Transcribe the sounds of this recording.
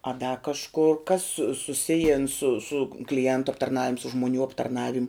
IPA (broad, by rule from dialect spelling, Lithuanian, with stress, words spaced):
ɐ dɐ kɐʃˈkʊr kɐs sʊ sʊˈsʲɪjɪn sʊ sʊ klʲɪˈɛntʊ ɐptɐrˈnɑːʋʲɪm sʊ ʒmoːˈnʲuː ɐptɐrˈnɑːʋʲɪmʲ